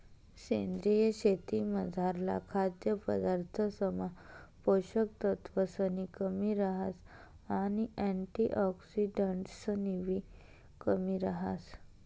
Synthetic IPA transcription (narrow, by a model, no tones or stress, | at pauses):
ɕend̪ɾijəɕet̪iməd͡zʱaɾla̰kʰad̪jəpə̰d̪aɾt̪ʰəsəmapoɕək̚t̪ət̪ʋəsənikəmiɾaɦas | añiɛ̃ɳʈiʔɔksiɖəɳʈsəniʋi | kəmiɾaɦas